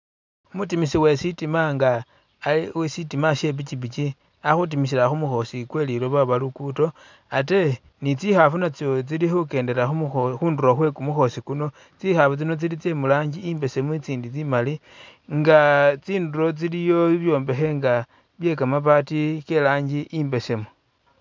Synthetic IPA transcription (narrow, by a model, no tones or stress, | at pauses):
mutimisiwe̞sitimaŋɡaː | wesitimaʃe̞βit͡ʃiβit͡ʃi | axut̬imis̬ilaxumuxo̞sikwe̞lilo̞βaβalukuto̞ | ate̞ | nit͡sixafunat͡sot͡silixuke̞ːnde̞ɾaxuxuːnduɾoxwe̞kumuxo̞sikuno̞ | t͡sixafut͡sino̞t͡silit͡se̞mulaːɲɟiiːmbe̞se̞mut͡siːndit͡simali | ŋɡat͡siːnduɾo̞t͡silijo̞βjo̞ːmbe̞xe̞ŋɡa | βje̞kamapatike̞laːɲɡiʔiːmbe̞se̞mu̥